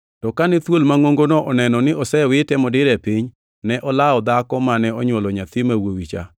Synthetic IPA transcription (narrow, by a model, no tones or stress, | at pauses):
tɔkanɛt̪wolmaŋoŋɡonɔʔɔnɛnɔnɪɔsɛwɪtɛmɔdɪɾɛpiɲ | nɛʔɔlaɔd̪akɔmanɛɔɲwɔlɔɲat̪imawowit͡ʃa̰